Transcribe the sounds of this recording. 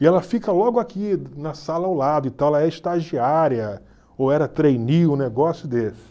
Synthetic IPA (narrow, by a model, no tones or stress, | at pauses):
ɪɛlɐfikɐlɔɡʊakinɐsalɐawlad̪ʊĩt̪ɐ̃w̃ɛlɐɛiʃt̪aʒiaɾjɐ | owɛɾɐt̪ɾejniʊneɡɔsjʊd̪esɪ̥